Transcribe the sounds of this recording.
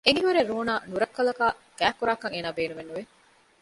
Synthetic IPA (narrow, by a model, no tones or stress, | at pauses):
ʔeŋiɦuɾeɾːuːnaːnuɾɐkːɐlɐkaːkæːkːuɾaːkɐŋeːnaːbeːnumenːuʋe